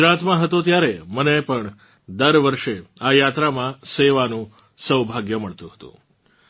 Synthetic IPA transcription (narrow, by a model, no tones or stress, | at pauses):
ɾat̪mãɦət̪ot̪jaɾemənepəɳ | d̪əɾʋəɾʃeajat̪ɾamãseʋanũ | səʋbʱaɡjəməɭt̪ũɦə̥t̪ṵ̃